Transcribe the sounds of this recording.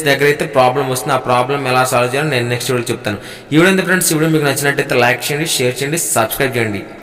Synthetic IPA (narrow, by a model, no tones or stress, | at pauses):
dɛɡːɐɾɐjt̪ːeːpɾaːblɐmɐst̪und̪aːpɾaːblɐmɛlaːsaːloːt͡ʃaːlɐnenuneksʈilt͡ʃebut̪aːnu | iʋuɽɐnt̪ɐʈɐɳɖsiʋuɽomiːkunɐt͡ʃːinɐʈːejt̪ːɐlɐjkt͡ʃeːɳɖiʃeːɾt͡ʃeːɳɖisɐbskɾɐjp̚t͡ʃeːɳɖḭ